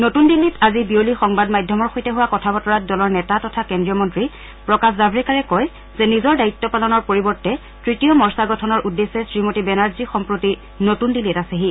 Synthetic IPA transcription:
notundilːitazibiolixɔŋbadmajdʱɔmɔɹxojtɛɦuwakɔtʰabɔtɔɹat̚dɔlɔɹnɛtatɔtʰakɛndɹiɔmɔntɹi | pɹɔkaszabɹɛkaɹɛkɔj | zɛnizɔɹdaitːɔpalɔnɔɹpoɹibɔɹtɛ | tɹitijɔmɔɹsaɡɔtʰɔnɔɹʔudːesɛsɹimotibɛnaɹzixɔmpɹoti | notundilːitaseɦi

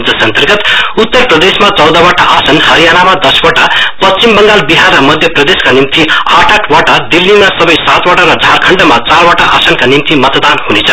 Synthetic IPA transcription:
d͡zʌsʌnt̪ʌrɡʌt̪ut̪ːʌrprʌd̪esmat͡sʌld̪ʌβaʈaʔasʌnhʌɾijanamad̪ʌswaʈapʌst͡simbʌŋɡalbiɦarʌmʌd̪ʱjʌprʌd̪eskanimt̪iaʈʰaʈʰwaʈad̪ilːimasʌbʌjsat̪waʈaɾʌd͡zʱarkʰʌɳɖʌmat͡sarwaʈaʔa̰sʌnkanimt̪imʌt̪d̪anhunet͡sʰʌ

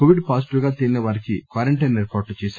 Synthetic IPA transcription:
oʋiɖpaːsiʈiʋɡaːt̪ilinɐʋaːɾikḭkʋaːɾɐɳʈɐjneːɾpaːʈlut͡ʃɛːsa

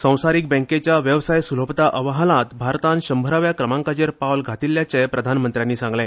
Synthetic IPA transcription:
sə̃w̃saɾiːk̚bə̃ŋket͡ɕjaʋjəʋsajsul̤əpt̪aʔəʋɦalãt̪bʱaɾt̪ãnɕəmbʱəɾaʋjakɾəmãŋkad͡ʑeɾpawlɡʱat̪ilːjat͡ɕepɾəd̪ʱanmənt̪ɾjanːiːsãŋɡlẽ

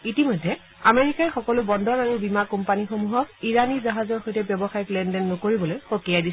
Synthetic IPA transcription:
itimɔjdʱɛ | ameɹikaɹxɔkɔlʊbɔndɔɹaɹubimakɔmpanixomuɦɔk̚iɹanizaɦazɔɹxojtɛbjɔbɔxajɔklɛndɛnːɔkoɹibɔlojxokijadi

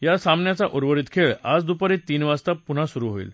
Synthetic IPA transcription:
jasamnjat͡saʔuɾʋəɾit̪kʰeɭad͡zd̪upəɾit̪ːiːnʋast̪apun̤asuɾuɦoḭl

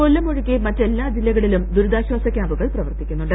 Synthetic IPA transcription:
olːɐmoɻukʲːimɐtːe̞lːaːd͡ʑilːɐɣɐɭilumd̪uɾud̪aːɕwaːsɐkʲjaːbuɣɐɭprɐʋɐrtt̪ikʲːunːuɳɖɨ

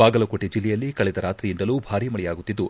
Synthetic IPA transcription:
aːɡɐlɐkoːʈid͡ʒilːɛjɐlːikɐɭɛd̪ɐɾaːt̪ɾijind̪ɐluːbʱaːɾimɐɭɛjaːɡut̪ːid̪ːu

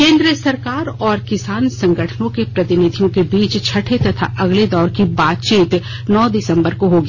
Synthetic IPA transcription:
kẽːnd̪ɾijəsɐɾkaːɾɔːɾkɪsaːnsɐ̃ŋɡəʈʰənõkepɾɐt̪ɪnɪd̪ʱijõkebiːt͡ʃt͡ʃʰɐʈʰet̪ɐt̪ʰa̰ʔɐɡled̪ɔːɾkibaːt̪̚t͡ʃiːt̪ | nɔːd̪ɪsə̃mbəɾkoɦoɡi

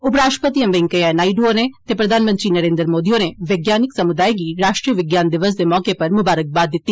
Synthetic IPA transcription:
ʊpɾaːʃʈə̥pət̪iə̃mʋɪŋkəjanaːiɖoonet̪eːpɾəd̪ʱaːnmə̃nt̪ɾiːnəɾẽːnd̪əɾmoːd̪ijoːneʋeɡjaːnɪksəmʊd̪aːiɡiːɾaːʃʈɾiːəʋɪɡjaːnd̪ɪʋəs̬d̪eːmɔːkepɐɾmʊbaːɾək̚baːd̪ːɪt̪ːiː

